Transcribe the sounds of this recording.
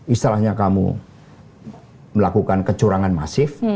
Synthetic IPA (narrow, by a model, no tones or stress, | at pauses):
ist̪ilahɲakamṵ | məlakukankət͡ʃuɾaŋanma̰sɪf